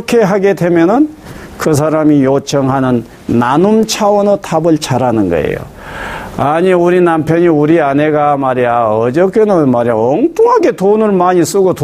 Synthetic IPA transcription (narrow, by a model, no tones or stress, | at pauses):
kʰe̞ɦaɡe̞de̞mjʌnɯnkɯs̬ʰaɾamijot͡ɕʰʌŋɦanɯnː | anumt͡ɕʰawʌnɯtʰabɯɭt͡ɕʰaɾanɯnɡʌ̰ḛjo̰ | aɲiuɾinampʰjʌɲiuɾiane̞ɡamaɾiaʌd͡ʑʌkʰenɯmaɾiaʌŋt͈ʰuŋɦaɡe̞tonɯɭmaɲis͈uɡot